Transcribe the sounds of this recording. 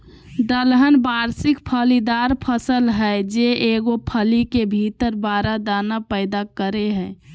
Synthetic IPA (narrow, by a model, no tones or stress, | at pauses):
d̪əlɦənbaɾsɪkpʰəlid̪aɾpʰəsəlɦɛd͡ʒeʔeɡopʰəlikebʱit̪əɾbaɾad̪anapəɪd̪akəɾeɦɛ̃ː